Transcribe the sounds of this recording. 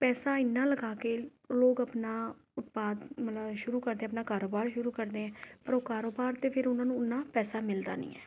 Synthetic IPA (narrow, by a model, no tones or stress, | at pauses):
pɛːsaːɪnːãːləɡaːkeː | loːkəpnaː | ʊt̪paːd̪mət̪əbʃʊɾuːkəɾd̪ẽːəpnaːkaːɾoːbaːɾʃʊɾuːkəɾd̪eːɛ̃ːpəɾoːkaːɾoːbaːɾt̪eːpʰɪɾʊnãːnũːʊnːãːpɛːsaːmɪld̪a̰ːnḭ̃ːɛ̰ː